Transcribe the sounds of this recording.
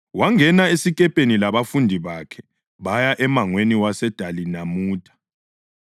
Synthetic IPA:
waŋɛnaesikʼɛpʼenilaβafundʱiβakʰɛ̥ | βajaʔɛmaŋweniwasɛd̥ʱalinamuːtʰʼḁ

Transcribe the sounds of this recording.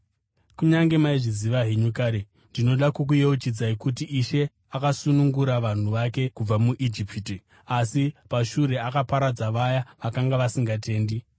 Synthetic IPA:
kuɲaŋɡe̞maiʐiziʋaɦeɲukaːɾe | ndino̞ɗakuk̬ujeut͡ʃid͡zaikutiʔːʃe̞ | akasunuŋɡuɾaʋan̤uʋake̞kub͡vamuʔid͡ʒipiti | asipaʃuɾe̞akapaɾad͡zaʋajaʋakaŋɡaʋasiŋɡate̞ːndi

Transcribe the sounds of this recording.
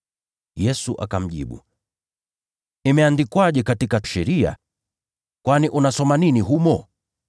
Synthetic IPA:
jɛsuʔa̰kam̩ʄḭɓṵ | imɛandikwaʄɛkatikaʃɛɾia̰ | kwaniʔunasɔmaniniɦumɔ

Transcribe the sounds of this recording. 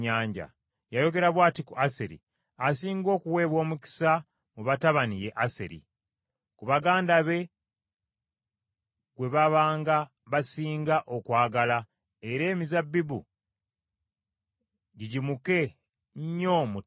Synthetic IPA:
aːɲɟa̰ | jajo̞ɡe̞ɾaβwaːtikuʔaseɾḭ | asiːŋɡo̞ːkuwe̞ːβwo̞ːmuki̥sa | muβataβanijeʔasḛɾḭ | kuβaɡaːndaβe̞ | ɡwe̞βaβaːŋɡa | βasiːŋɡaʔo̞kwaːɡala | e̞ɾe̞ːmizabːibṵ | ɟiɟimuke̞ | ɲo̞mu

